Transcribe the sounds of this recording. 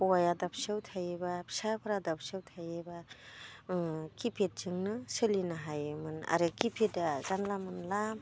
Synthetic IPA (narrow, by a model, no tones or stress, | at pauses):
ajadap̚ʰsewtʰajebapʰsabʰaɾadap̚sewtʰajeba | kipʰet̚zɯŋnɯsɯlinaɦajɯmɯna̰ɾɯkipʰetazanlamɯnlam